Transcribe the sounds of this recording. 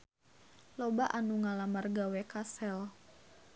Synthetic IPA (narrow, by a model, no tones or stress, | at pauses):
lobaʔanuŋalamarɡawɛkasɛl